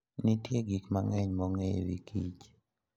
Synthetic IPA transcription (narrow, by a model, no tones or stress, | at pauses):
nitjeɡikmaŋɛɲmɔŋewḭkit͡ʃ